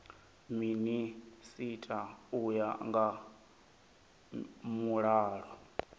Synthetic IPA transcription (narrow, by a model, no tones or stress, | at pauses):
minisitʼaujaŋɡa | muɺaːɺɔ